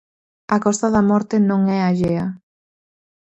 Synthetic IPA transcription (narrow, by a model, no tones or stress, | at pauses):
ɐkɔst̪ɐðɐmɔɾt̪ɪnõŋɛaʎeɐ